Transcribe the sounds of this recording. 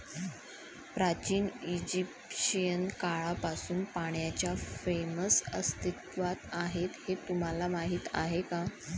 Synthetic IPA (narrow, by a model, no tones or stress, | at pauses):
pɾat͡ɕiːnid͡ʑipɕijənkaɭapasuːnpaɳ̃jat͡ɕjafeməsəst̪it̪ʋat̪aɦet̪het̪um̤alamaɦiːt̪a̰ɦeka